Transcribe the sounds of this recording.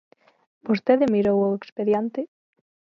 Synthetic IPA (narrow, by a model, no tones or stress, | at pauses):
bost̪eðɪmiɾowoekspeðjant̪ɪ